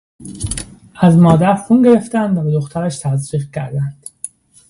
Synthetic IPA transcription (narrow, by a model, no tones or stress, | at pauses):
æzmɒːd̪æɾxunɟe̞ɾe̞ft̪ænd̪væbed̪oxt̪ʰæɾæʃt̪ʰæzɾiːqcʰæɾd̪ænd̪̥